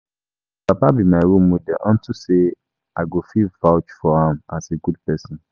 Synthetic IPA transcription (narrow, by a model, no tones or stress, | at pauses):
papabimãiwomũdɛʔɔ̃ntʰuse | aɡofivawt͡ʃfɔãmaseɡudpɛsɔ̃n